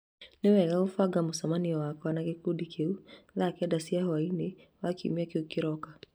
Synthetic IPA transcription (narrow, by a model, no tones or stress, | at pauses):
newɛɣaofaɡamosamaniɔwakɔanaɣikudikʰeuðakɛdasiahɔainewakiṵmiakeukiɾɔka